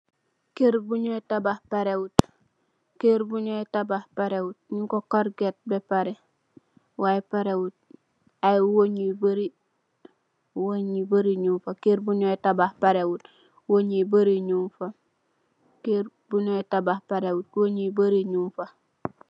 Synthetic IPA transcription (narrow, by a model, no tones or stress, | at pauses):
keɾbuɲoetabahpaɾewut | keɾbuɲoetabahpaɾewut̚ɲikokoɾɡet̚bepaɾe | waepaɾewut̚ | aiwoɲibaɾi | woɲibaɾiɲumfakeɾbuɲoetabahpaɾewut | woɲibaɾiɲumfa | keɾbuɲoetabahpaɾewut̚woɲibaɾiɲumfa